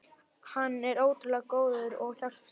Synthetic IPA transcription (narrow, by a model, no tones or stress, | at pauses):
hanːɛɾoːwt̪lɛɣkoːwðʏɾɔɣçal̥